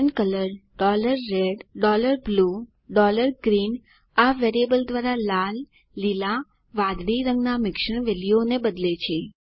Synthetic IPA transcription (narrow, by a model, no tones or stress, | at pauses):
əɳkələɾɖɔləɾːeɖɖɔləɾblu | ɖɔləɾɡɾin | aʋeɾiebəld̪ʋaɾalalː | ila | ʋãd̪ɽiɾə̃ŋɡnamɪkʃəɳ̃ʋelijonebəd̪let͡ʃʰe